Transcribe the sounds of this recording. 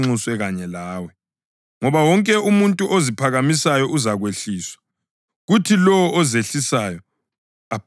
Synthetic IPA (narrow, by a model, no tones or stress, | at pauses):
uswɛɣaɲɛlaːwɛ | ŋɔβawɔŋkʼɛumuntʼuʔozipʰaɣamisajɔʔuzaɣweɬiːswḁ | ɣutʰilɔwɔɔzeɬisaːjɔ | ap